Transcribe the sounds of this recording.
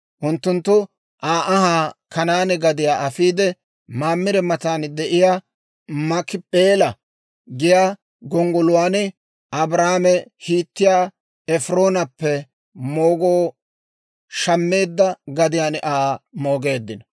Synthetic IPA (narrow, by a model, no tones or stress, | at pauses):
ʔʊnt̪ːʊnt̪ːʊ | ʔaːʔɐhaːkɐnaːnɛɡɐd̪ɪjaːʔɐfiːd̪ɛ | maːmːɪɾɛmɐt̪aːnd̪ɛʔɪjaː | mɐkɪpʼeːlɐ | ɡɪjaː | ɡɔŋɡɔlʊwaːnɪ | ʔɐbɾaːmɛhiːt̪ːɪjaː | ɛfɪɾo̞ːnɐpːɛ | moːɡoː | ʃɐmːe̞ːd̪ːɐɡɐd̪ɪjaːnʔaːmo̞ːɡe̞ːd̪ːɪnɐ